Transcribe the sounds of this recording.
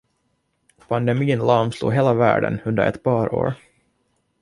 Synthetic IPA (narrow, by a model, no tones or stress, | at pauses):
pʰand̪ɛmiːnlɑːmslṵːɦeːlavæ̰ːɖə̰nɵnd̪ə̰ɾɛ̰t̪pɑːɾo̰ːɾ